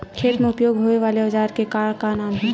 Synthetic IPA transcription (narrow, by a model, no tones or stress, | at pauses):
kʰeːt̪mẽʊpjoːɡɦoeʋaːleəd͡ʒaːɾkekaːɭkanaːmɦɛ